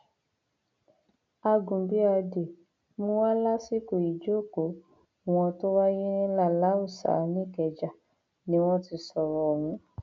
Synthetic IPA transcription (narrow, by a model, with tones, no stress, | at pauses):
a˧ɡũ˨bi˨˦a˧de˨ | mũ˦wa˦la˦si˦ko˨i˨d͡ʒo˦˨ko˨˦ | w̃ɔ̃˧to˦wa˦je˦ĩ˦la˦˨la˨˦u˦˨sa̰˨˦nĩ˦˨kɛ˨d͡ʒa˨ | nĩ˦w̃ɔ̃˦ti˧sɔ˨ɾɔ˨wũ˧˦